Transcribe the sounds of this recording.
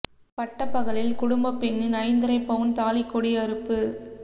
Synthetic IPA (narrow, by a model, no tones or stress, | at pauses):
pɐʈːɐpːɐɣɐlɪlkʊɽʊmbɐpːɛnːɪnɐɪnd̪ɯɾɐɪpːɐʋɯnt̪aːlɪkːɔɽiɐɾɯpːɯ